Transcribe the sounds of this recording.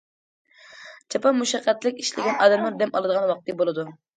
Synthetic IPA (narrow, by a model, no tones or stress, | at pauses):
t͡ʃʰɑpɑmːuʃɑqːɛt̪lɪkʲiʃlɪɡʲɛnɑːd̪ɛmlˠɨɾd̪ɛmɑlˠɨd̪əʁɑnwɑq̚t̪ʰɨbolˠɨd̪u